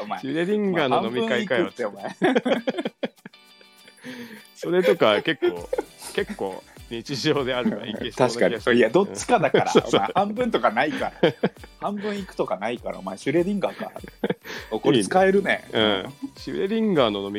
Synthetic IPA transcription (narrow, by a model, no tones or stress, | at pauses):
omaɾeɾʲĩŋɡanõnomʲiɯ̃kaikaɯt̪ːeomae | so̞ɾe̞t̪o̞kake̞kːoːke̞kːo̞̰ːɲ̟it͡ɕiʑoːd̪e̞aɾɯiet̪aɕi̥ka̰ɲoiad̪o̞t͡ɕːi̥kad̪akaɾa̰ɯ̰aehãmbɯ̟̃nt̪o̞kanaikaɾa̰hãmbɯ̟̃ɰ̃ikɯ̟̥t̪o̞kanaikaɾa̰omaeɕɨɾe̞ɾʲĩŋɡaka̰ɾ̰ | okoɾit͡sɨ̥kaeɾɯ̟nḛɯ̃ɕɨɾeɾʲĩŋɡaːno̞no̞mʲi